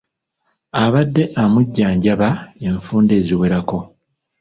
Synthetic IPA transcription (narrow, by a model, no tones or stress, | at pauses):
aβadːe̞ʔamuɟːaːɲɟaβaeɱfuːnde̞ːziwe̞ɾako̞